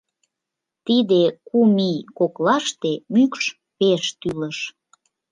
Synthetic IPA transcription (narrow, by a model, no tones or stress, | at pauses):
t̪id̪ekumikoklɑʃt̪emykʃ | peʃt̪yləʃ